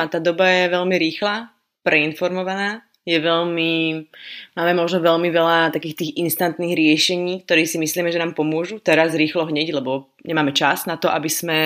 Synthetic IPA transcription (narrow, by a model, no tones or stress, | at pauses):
at̪aːd̪ɔbajɛʋɛʎmiɾiːxla | pɾɛinfɔɾmɔʋanaː | jɛʋɛʎmi | maːmɛmɔʒnɔʋɛʎmiʋɛlat̪akiːxt̪iːɣinst̪ant̪niːɣɾɪɛʃɛɲiːk̚t̪ɔɾiːsimisliːmɛʒɛnaːmpɔmʊɔʒut̪ɛɾazɾiːxlɔɦɲɛɟlɛbɔ | ɲɛmaːmɛt͡ʃaznat̪ɔʔabismɛ